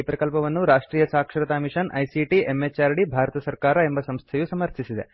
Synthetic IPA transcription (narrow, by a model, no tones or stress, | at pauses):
ipɾɐkɐlpɐʋɐnːuɾaːʂʈɾiːjɐsaːkʂɾɐt̪aːmiʂɐnʔɐjsiʈiemːet͡ʃaːɾɽibʱaːɾɐt̪ɐsɐɾkaːɾɐe̞mbɐsɐmst̪ʰɐjusɐmɐɾt̪ʰisid̪ḛ